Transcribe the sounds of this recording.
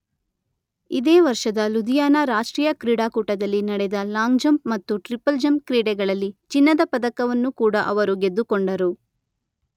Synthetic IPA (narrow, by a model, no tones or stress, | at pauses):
id̪eːʋɐɾʂɐd̪ɐlud̪ijaːnɐɾaːʂʈɾiːjɐkɾiːɽaːkuːʈɐd̪ɐlːinɐɽɛd̪ɐlaːŋd͡ʒɐmmɐt̪ːuʈɾipɐld͡ʒɐmkɾiːɽɛɡɐɭɐlːit͡ʃinːɐd̪ɐpɐd̪ɐkɐʋɐnːukuːɽɐʔɐʋɐɾuɡe̞d̪ːukoɳɖɐɾu